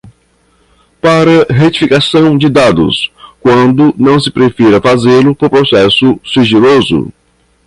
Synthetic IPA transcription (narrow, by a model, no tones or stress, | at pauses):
paɾɐɦet͡ʃi̥fikasɐ̃w̃d͡ʒɪd̪ad̪ʊ̰skwɐ̃nd̪ʊnɐ̃w̃sɪ̥pɾefiɾɐfazelʊpoɾpɾosɛsʊsiʒilozʊ̰